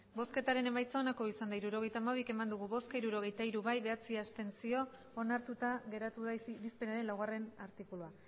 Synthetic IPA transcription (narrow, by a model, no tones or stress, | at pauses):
bo̞ske̞t̪aɾe̞ne̞majt͡sao̞nako̞isand̪aiɾuɾo̞ɣ̞ejt̪aːmaβ̞ike̞mand̪uɣ̞uβo̞skaiɾuɾo̞ɣ̞e̞jt̪aiɾuβajβe̞at͡siast̪e̞nsio̞ː | naɾt̪ut̪aɣe̞ɾat̪uðaɾispe̞naɾe̞nlawɣare̞naɾt̪ikulua